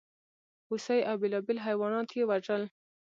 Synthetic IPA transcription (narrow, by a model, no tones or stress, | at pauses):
usajʔawbɪlɑbɪlɦajwɑnɑt̪jewaʐəl